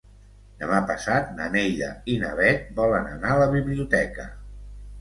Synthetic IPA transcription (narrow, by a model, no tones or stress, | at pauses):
d̪əmapəsat̪̚nə̰neʎə̰inəβɛt̪̚bɔlənənaələβiβliut̪ɛkə̰